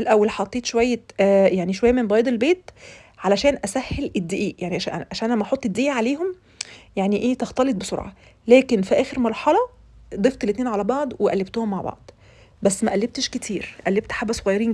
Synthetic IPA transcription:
elʔæwːælħɑt̪ˤːeːt̪ʃowæjːejaʕniʃowæjːæmenbɑːjd̪ˤelbeːt̪ | ʕalæʃæːnʔæsæhːelʔed̪ːiʔiːjaʕniʔʔaʃæːnʔlæmːæʔɑħot̪ˤːed̪ːiʔiːʕaleːɦom | jaʕniʔeːt̪ɑxt̪ɑlet̪̚beso̰ɾʕɑ̰ | læːkenfiʔæːxeɾmɑɾˤħɑlɑ | d̪ˤeft̪ˤelːet̪neːnʕalæbɑʕd̪ˤweʔæ̰lːeb̚t̪ohomːaʕbɑ̰ʕd̪ˤ | bæsːmæʔælːeb̚t̪eʃket̪ʰiːɾʔælːeb̚t̪ħabæsoɣæjːɑɾiːn

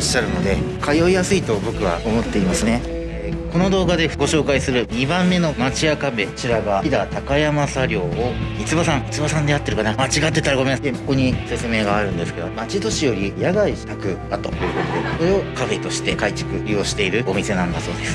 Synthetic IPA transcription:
oɕːaɾɯ̟no̞d̪e̞kajo̞ijasɨit̪o̞bo̞kɯ̟β̞a̰o̞mo̞t̪ːe̞imasɨne | ko̞no̞d̪o̞ːɡad̪e̞ɡo̞ɕo̞ːkaisɨɾɯ̟ɲ̟ibãmːe̞no̞mat͡ɕiakabe̞t͡ɕiɾaɡaid̪at̪akajamasaɾʲo̞ːoit͡sɨbasãŋ̃it͡sɨbasãnd̪e̞jat̪ːe̞ɾɯkanamat͡ɕiɡat̪ːe̞t̪aɾaɡo̞meneko̞ko̞ɲ̟ise̞t͡sɨme̞ːɡaːɾɯ̟̃nd̪e̞sɨ̥ke̞d̪o̞mat͡ɕit̪o̞ɕijo̞ɾʲijaɡait̪akɯ̟at̪o̞̰oɯ̟kot̪od̪ekoɾe̞o̞kaɸe̞t̪o̞ɕi̥t̪e̞kait͡ɕi̥kɯ̟ɾʲio̞ːɕi̥t̪e̞iɾɯ̟o̞mʲise̞nãnd̪aso̞ːd̪e̞sɨ̥

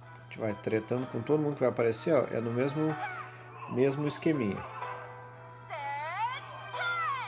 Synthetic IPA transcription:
t͡ʃɪvajt̪ɾet̪ɐ̃nd̪ʊkõt̪od̪ʊmũd̪ʊkɪvajapaɾeseɔ̰ʔɛ̰nʊmezmʊ | mezmʊɪskemĩɲʊ̰

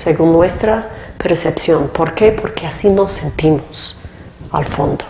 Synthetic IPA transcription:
seɣunːwest̪ɾapeɾsepsjo̞npo̞ɾke̞pʰoɾkeasino̞se̞nt̪imos | a̰lfo̞nd̪o

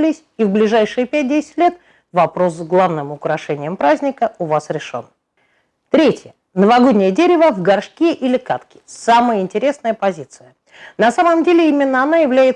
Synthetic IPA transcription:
lʲɪsʲivblʲɪʐajʂɨjəpʲæt̚ʲdʲesʲɪ̥tʲlʲe̞t̪ | vɐpɾo̞sːɡlˠavnɨmʊkɾɐʂɛnʲɪjəmpɾazʲnʲɪkəʊvasɾʲɪʂo̞̰n | t̪ɾʲetʲjə | nəvɐɡodʲnʲɪjədʲeɾʲɪvəvɡɐrʂkʲeʔilʲɪkat̪kʲɪ̥saməjəɪnʲtʲɪɾʲe̞snəjəpɐzʲit̪sɨjə | nɐsaməmdʲelʲɪimʲɪnːəɐnajɪvlʲæjɪt̪

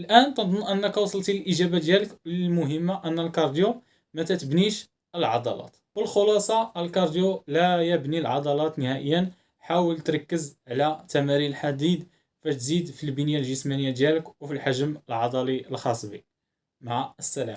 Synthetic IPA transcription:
ʔəlʔænt̪ɑd̪ˤʊnʔənːəkwɑsˤlt̪ilʔəʒæbad̪jæləkləlmʊɦəmːaʔənːəlkɑɾˤd̪ju | mæt̪æt̪əbniʃ | əlʕɑd̪ˤɑ̰lɑ̰t̪wəlxolɑsˤɑəlkɑɾˤd̪julæjəbnilʕɑd̪ˤɑlɑt̪nəhæʔəjːən | ħawəlt̪ɾˤɑkːəzʕlæt̪ːæmæɾilħad̪id̪ | fæʃt̪zid̪filbənəjalʒəsmænəjːad̪jæləkwfilħaʒməlʕɑd̪ˤɑliəlxɑsˤbi | maʕəsːælæm

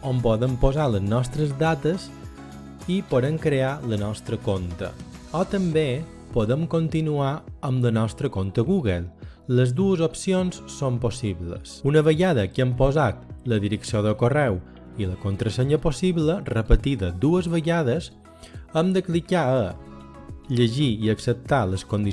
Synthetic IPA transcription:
ompɔðəmpozaləznɔst̪ɾəzd̪at̪əz | ipoɾəŋkɾealənɔst̪ɾəkont̪ə̰ | ɔt̪əmbe | poðəmkont̪inuaəmlənɔst̪ɾəkont̪əɣuɣəlˠ | ləzd̪uəzopsionsːomposiβlə̰sunəβəɣaðəkəmpozat̪ləðiɾəksioðəkorɛw | iləkont̪ɾəseɲəposiβlərəpət̪iðəd̪uəzβəʎaðəz | əmd̪əklikaə | ʎəʒiiəksəp̚t̪aləskond̪i

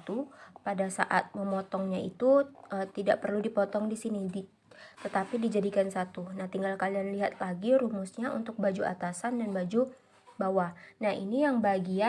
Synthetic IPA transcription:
t̪upadasa̰ʔat̪̚məmɔt̪ɔŋɲaḭt̪uət̪ida̰ʔpərludipɔt̪ɔŋdisinidi | t̪ət̪apidid͡ʒadikansat̪unaht̪iŋɡalkalianliɦat̪̚laɡiɾumʊsɲaʔṵnt̪ʊk̚bad͡ʒua̰t̪asandanbad͡ʒu | bawanahḭnijaŋbaɡia

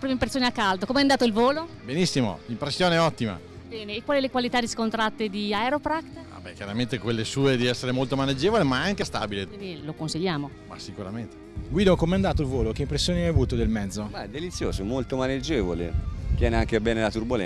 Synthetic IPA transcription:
pɾimeimpɾet̪sːjoːneakːald̪okomeɛand̪aːt̪oilvoːlobenisːimo̰impɾesːjoːneɛɔt̪ːima̰ | bɛːneːkːwaːlilekwalit̪ad̪iskont̪ɾat̪ːed̪iaeɾopɾakt̪va̰bɛk̟jaɾament̪ekwelːesuːed̪iɛsːeɾemolt̪omaned͡ʒeːvolemaaŋkest̪a̰ːbileinilokonsiʎːaːmo | ma̰sikuɾament̪eɡwiːd̪okomɛand̪aːt̪̬oilvoːlok̟eimpɾesːjoːneajavuːt̪od̪elmɛd̪zːomaɛd̪ːelit̪sːjo̰ːzomolt̪omaned͡ʒeːvolḛt̪jɛːneaŋkebɛːnelat̪urbolɛ̰

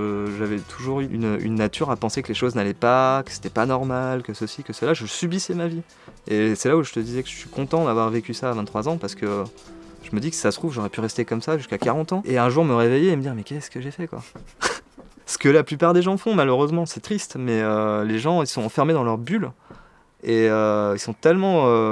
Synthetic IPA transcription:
ʒavɛt̪ʰuʒuʁyyny̰nːat̪ʰyʁapɑ̃sekəleʃoznalɛpakə̥se̥t̪ɛpanɔʁmalkəsəsikəsəlaʒəsybisɛmavi | esɛlauʒət̪əd̪izɛkəʒəsɥikʰɔ̃t̪ɑ̃d̪avwaʁvekʲysaːvɛ̃t̪t̪ːχwazɑ̃paʁsə̥kə | ʒ̥əməd̪ikə̥sasət̪χuvʒɔʁɛpyʁɛst̪ekɔmsaʒyskʲakaʁɑ̃t̪ɑ̃ʔeɛ̃ʒuʁməʁevejeːməd̪iʁmɛkʲɛskəʒefɛkwa̰ | sə̥kəlaplypaʁd̪eʒɑ̃fɔ̃maløʁøzmɑ̃sɛt̪χist̪mɛøleʒɑ̃ilsɔ̃ɑ̃fɛʁmed̪ɑ̃lœʁbyl | eøilsɔ̃t̪ɛlmɑ̃ø

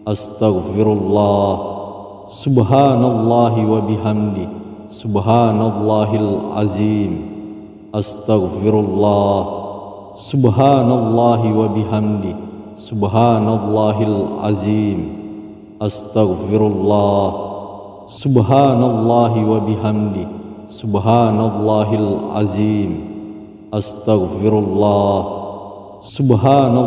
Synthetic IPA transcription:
ʔast̪aɣfɪɾlˤːɑːh | sʊbɦaːnalˤːɑːɦɪwabɪɦamd̪ | sʊbɦaːnalˤːaːɦalʕa̰ziːm | ʔast̪aɣɪɾalˤːh | sʊbɦaːnalˤːɑːɦɪwabɪɦamd̪ɪ | sʊbɦaːnalˤːɑːɦalʕa̰ziːm | ʔast̪aɣfɪɾalˤːɑːh | sʊbɦaːnalˤːɑːɦɪwabɪɦamd̪ɪ | sʊbɦaːnalˤːɑːɦalʕa̰ziːm | ʔast̪aɣfɪɾɑlˤːɑːh | sʊbɦaːna

